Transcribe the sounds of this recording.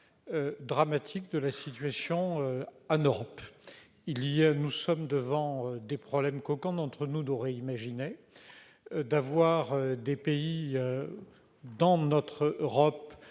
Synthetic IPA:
ød̪ʁamat̪ʰik̚d̪əlasit̪ɥasjɔ̃øanøʁɔp | iliɛnusɔmd̪əvɑ̃ød̪epχɔblɛmkɔkɑ̃d̪ɑ̃t̪χənud̪ɔʁɛimaʒine | d̪avwaʁød̪epeiø | d̪ɑ̃nɔt̪χøʁɔp

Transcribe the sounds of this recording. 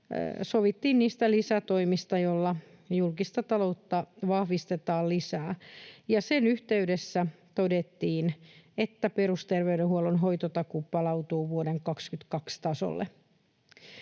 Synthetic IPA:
soʋit̪ːiːnniːst̪ælisæt̪oimist̪ɑjolːɑ | julkist̪ɑt̪ɑlout̪ːɑʋɑhʋist̪et̪ɑːllisæːjɑsenyht̪eydesːæ | t̪odet̪ːiːnet̪ːæperust̪erʋeydehuolonɦojt̪ot̪ɑkupɑlɑut̪uːʋuodeŋkɑkskyt̪kɑkst̪ɑso̰lːḛ

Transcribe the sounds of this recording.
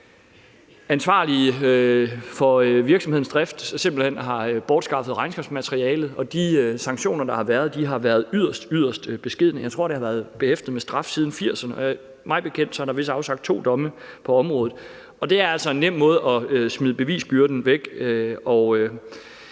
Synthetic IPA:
ænsʋɑ̈ːli | fɒ̽ʋiɐɡ̥sɒmhḛnsd̥ʁɛfd̥se̝mb̥l̩hen̰ɦɑ̈b̥ɒːd̥sɡ̥ɑ̈fð̩ˠʁɑ̈ɪnsɡ̥ɑ̥smæt͡sʰʁiɛːlð̩ˠɒ̽d̥iøsɑ̈ŋɡ̥ɕo̝̰ːnɐd̥ɑ̈hɑ̈ʋæːɐðˠd̥iɦɑ̈ʋæːɐð̞̩ˠyð̰ˠɐsd̥yð̰ˠɐsd̥b̥e̝sɡ̥e̝ð̞̰ˠnəjɑ̈ɪt͡sʰʁo̝ɐɾ̥ehɑ̈ʋæːɐð̞̩ˠb̥e̝hefd̥əð̩ˠmesd̥ʁɑ̈fsiðˠn̩fiɐ̰sɐnəɒ | mɑ̈ɪb̥e̝kʰen̰d̥sɒ̽hɑ̈ɾ̥ɑ̈ʋe̝s̬əɑ̈ʊsɑ̈ɡ̥d̥̚t͡sʰo̝̰ːd̥ɒ̽məpʰɒ̽ɒ̽mʁɔ̽ːð̩ˠ | ɒ̽d̥e̝æɐæl̰sɒ̽e̝nːem̰mɔ̽ːð̞̩ˠɒ̽øsmið̞ˠb̥e̝ʋḭːsb̥yɐd̥n̩ʋeɡ̥øɒ̽ø

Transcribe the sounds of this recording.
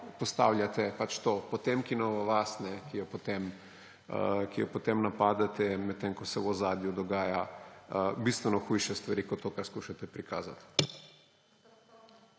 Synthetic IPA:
post̪awlʲjat̪ɛpat͡ʃt̪oːpɔt̪emkinoʋaʋasnɛkijɔpot̪em | kijopot̪emnapaːd̪at̪ɛmɛt̪ːeŋkɔsɛwɔzaːd̪jud̪ɔɡaːja | bist̪ʋɛnɔxujʃɛst̪ʋaɾiːkɔt̪ːoːkaɾskuːʃat̪ɛpɾikaːza̰t̪

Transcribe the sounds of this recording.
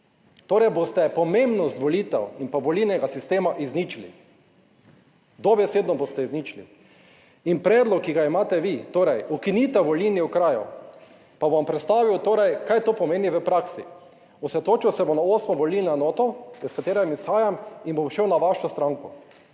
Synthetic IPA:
t̪oːɾɛjbost̪ɛpɔmẽmbnɔst̪ʋɔlit̪ɛ̰winpaʋɔlinɛɡasist̪eːmaʔiznit͡ʃlḭ | d̪ɔbɛseːd̪nɔbost̪ɛiznit͡ʃlḭ | inpɾɛːd̪lɔkːiɡaimaːt̪ɛʋit̪oːɾɛjukinit̪ɛwʋɔliniukɾaːjṵ | pabʋampɾɛt̪st̪aːʋiwt̪oːɾɛjkajt̪oːpɔmeːniʋəpɾaksḭ | usɛt̪oːt͡ʃiwsɛbonaoːsmɔʋɔlinɛnɔːt̪ɔiskat̪eːɾɛmisxaːjaminbomʃɛwnaʋaʃɔst̪ɾaŋkɔ

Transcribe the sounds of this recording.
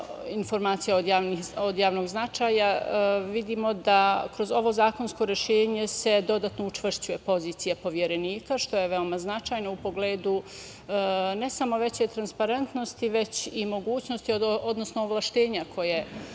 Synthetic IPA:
info̞ɾmaːt̪sijaod̪jaːʋnixod̪jaːʋno̞ɡznat͡ʃaːjaʋid̪iːmo̞d̪akɾo̞zo̞ʋo̞zaːko̞nsko̞ɾe̞ʃe̞ːɲe̞se̞d̪o̞d̪at̪no̞ut͡ʃʋr̩ʃt͡ɕuje̞po̞ziːt̪sijapo̞ʋjeɾe̞niːkaʃt̪o̞jeʋe̞o̞maznat͡ʃaːjno̞upo̞ɡleːd̪u | ne̞samo̞ʋet͡ɕe̞jt̪ɾanspaɾe̞nt̪no̞st̪iʋe̞t͡ɕimo̞ɡuːt͡ɕno̞st̪iod̪nosnooʋlˠaʃt̪e̞ːɲakʰo̞je

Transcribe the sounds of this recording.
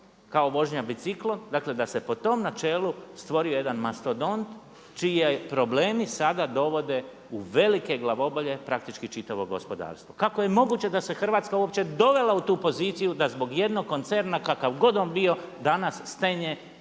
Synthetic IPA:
kaoʋo̞ʒɲabit̪siklˠo̞nd̪aːkle̞d̪ase̞po̞t̪o̞mnat͡ʃeːlˠust̪ʋo̞ɾioje̞d̪anmast̪od̪o̞nt̪ | t͡ʃiepɾo̞bleːmisad̪ad̪o̞ʋo̞d̪e̞ | uʋe̞like̞ɡlˠaʋo̞boʎe̞pɾakt̪it͡ʃkit͡ʃit̪aʋo̞ɡo̞̰spo̞d̪a̰ːɾst̪ʋo̞kako̞je̞mo̞ɡuːt͡ɕe̞d̪ase̞xr̩ʋaːt̪skauop̚t͡ɕe̞d̪o̞ʋe̞laut̪uːpo̞ziːt̪sijud̪azbo̞ɡje̞d̪no̞ɡkːo̞nt̪seɾnakakaʋɡo̞d̪oːnbijo̞ | d̪anasːt̪eɲe

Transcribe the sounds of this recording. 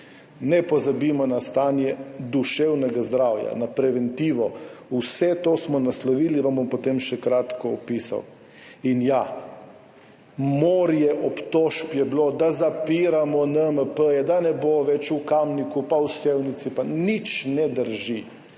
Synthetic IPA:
nɛpɔzabimɔnast̪aːnjɛd̪uʃɛwnɛɡazd̪ɾawja̰napɾɛʋɛnt̪iːʋɔusɛt̪osmɔnaslɔʋiːliʋambompot̪emʃɛkɾat̪kɔɔpisa̰w | inja | moːɾjɛʔɔpt̪oʃpjɛblod̪azapiɾamɔnəməpəjɛd̪anɛboʋɛt͡ʃukamnikupawsewnit̪sipanit͡ʃnɛd̪əɾʒi

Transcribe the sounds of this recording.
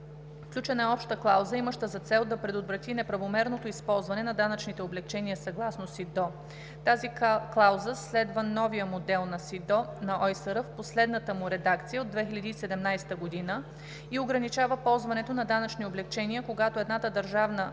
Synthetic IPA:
fklʲut͡ʃɛnaɛɔpʃt̪əklˠawzəiməʃt̪əzɐt̪sɛlˠd̪ɐpɾɛd̪ot̪vɾɐt̪inɛpɾɐvomɛɾnot̪oispɔlˠzvɐnɛnɐd̪anət͡ʃnit̪ɛoblɛkt͡ʃɛniəsɐɡlˠasnosid̪ɔ | t̪aziklˠawzəslɛd̪vənɔvijəmod̪ɛlˠnɐsid̪ɔnɐʔɔjsəɾəfposlɛd̪nət̪əmuɾɛd̪akt̪sijəod̪ːvɛxilʲɐd̪iːsɛd̪ɛmnajst̪əɡod̪inə | ioɡɾɐnit͡ʃavəpɔlˠzvɐnɛt̪onɐd̪anɐt͡ʃnioblɛkt͡ʃɛniəkoɡat̪oɛd̪nat̪əd̪ɐɾʒavnə

